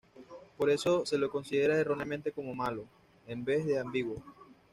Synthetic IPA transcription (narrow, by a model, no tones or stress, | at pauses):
po̞ɾe̞so̞se̞loko̞nsiðe̞ɾaero̞neamẽnt̪e̞ko̞mo̞malo̞ | embe̞zðeambiɣwo